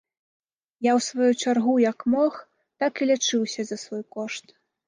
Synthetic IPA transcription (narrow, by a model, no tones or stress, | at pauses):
jawsvajut͡ʂarɣujɐkmɔx | t̪akilʲat͡ʂɨwsʲɐzɐsvɔjkɔʂt̪